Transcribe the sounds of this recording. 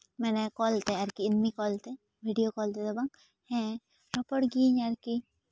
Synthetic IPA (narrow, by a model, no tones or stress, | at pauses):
mɛnɛkɔlt̪eaɾkiːnmikɔlt̪e | bʱiɖijokɔlt̪ed̪ɔbaŋ | hɛ̃ | ɾɔpəɽɡiːɲaɾki